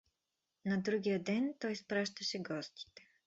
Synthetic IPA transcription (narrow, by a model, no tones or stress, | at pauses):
nɐd̪ɾuɡʲijɐd̪ɛnt̪ɔjspɾaʃt̪ɐʃɛɡɔst̪i̥t̪ɛ̥